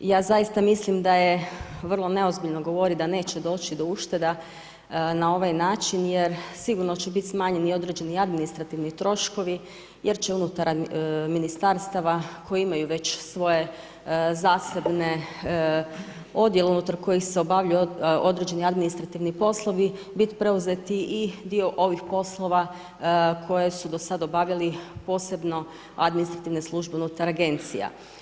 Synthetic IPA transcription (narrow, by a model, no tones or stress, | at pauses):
jaːzajist̪amislimd̪ajeʋr̩lˠo̞ne̞o̞zbiʎno̞ɡo̞ʋo̞ɾid̪ane̞ːt͡ɕe̞d̪o̞ːt͡ʃid̪o̞uʃt̪e̞d̪a | nao̞ʋajnaːt͡ʃinjeɾsiɡuɾnot͡ɕebit̪ʲsmaːɲenio̞d̪ɾed͡ʒe̞niad̪minist̪ɾat̪iʋnit̪ɾo̞ʃko̞ʋi | jʔeɾt͡ʃe̞unut̪aɾminist̪aɾst̪aʋakʰo̞jiimajuʋe̞t͡ɕsʋo̞je̞ | zaːse̞bne | o̞d̪jeleunut̪aɾko̞jixseo̞baʋʎajuo̞d̪ɾed͡ʑe̞niad̪minist̪ɾat̪iʋnipo̞slˠo̞ʋi | bit̪i̥pɾe̞uzet̪iid̪io̞ʔo̞ʋixpo̞slˠo̞ʋa | kʰo̞je̞sud̪o̞sad̪o̞baʋʎalipo̞ːse̞bno̞ | ad̪minist̪ɾat̪iʋne̞slˠuʒbe̞unut̪aɾaɡe̞nt̪sija̰